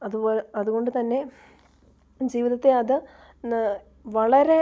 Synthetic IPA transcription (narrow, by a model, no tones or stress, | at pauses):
ɐðuboːlɐðuɣo̞ɳɖɨt̪ɐnːe̞ | d͡ʑiːʋiðɐt̪ːe̞ɐðɨ | ʋɐɭɐɾe̞